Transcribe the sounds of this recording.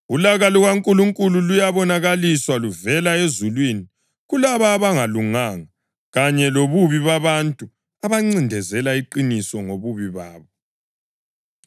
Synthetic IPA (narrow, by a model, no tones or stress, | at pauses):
ulaɣalɔɣaŋkʼuluŋkʼululujaβɔnaɣaliswaluvɛlaezulwini | ɣulaβaːβaŋaluŋaŋa | ɣaɲɛloβuβiβaβantʼu | aβaŋ͡ǀindʱɛzɛlaiǃinisɔŋoβuβiβaːβɔ